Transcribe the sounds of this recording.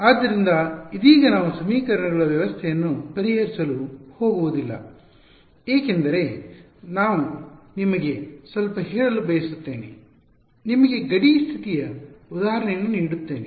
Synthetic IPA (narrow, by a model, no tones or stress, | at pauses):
aːd̪ːɐɾind̪ɐid̪iːɡɐnaːʋusɐmiːkɐɾɐɳɐɡɐɭɐʋjɐʋɐst̪ʰɛjɐnːupɐɾiɦɐɾisɐluho̞ːɡuʋud̪ilːɐ̰ | eːkend̪ɐɾe̞ | naːʋunimɐɡe̞sʋɐlpɐɦɛːɭɐlubɐjɐsut̪ːe̞ːnḛ | nimɐɡe̞ɡɐɽiːst̪ʰit̪ijɐud̪aːɦɐɾɐɳɛjɐnːuniːɽut̪ːe̞ːnḛ